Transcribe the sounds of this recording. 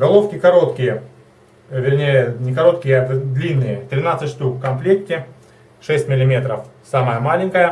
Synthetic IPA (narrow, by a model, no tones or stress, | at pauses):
ɡɐlˠo̞fkʲɪkɐɾo̞t̪kʲɪjə | vʲɪrnʲejənʲɪkɐɾo̞t̪kʲɪjəɛt̪əd̪lʲinːɨjət̪ɾʲɪnat̪sɨt̪ʲʂt̪ukkɐmflʲek̚tʲɪ | ʂɛsʲtʲmʲɪlʲɪmʲe̞t̪ɾəfsaməjəmalʲɪnʲkəjə